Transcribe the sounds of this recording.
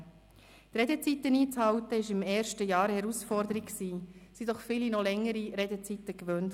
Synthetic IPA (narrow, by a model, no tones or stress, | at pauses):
t̪ɾɛdɛt͡sit̪əniːt͡shɑwt̪əɪʃɪmɛːɾʃtəjɑːɾhɛɾusfɔrdəɾikksiːsidɔχfɪlinɔlɛŋːəɾiɾɛdɛt͡sit̪əkvønt